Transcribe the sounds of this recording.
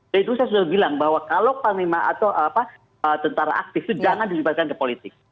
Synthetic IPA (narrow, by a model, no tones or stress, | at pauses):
dait̪usaas̬udahbilaŋbahwakalopaŋnimaʔa̰t̪awʔapa | ət̪ənt̪aɾa̰ʔa̰k̚t̪ɪft̪ud͡ʒaŋandilibat̪̚kankəpolit̪ɪk̚